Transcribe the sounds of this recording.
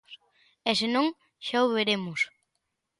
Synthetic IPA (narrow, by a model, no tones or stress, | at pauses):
esenõŋ | ʃawβeɾemʊs